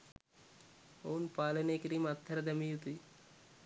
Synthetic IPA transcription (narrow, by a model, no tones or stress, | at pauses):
oːnpaːlɐnekɾimɐt̪ʰːɐɾɐd̪ɐmijut̪i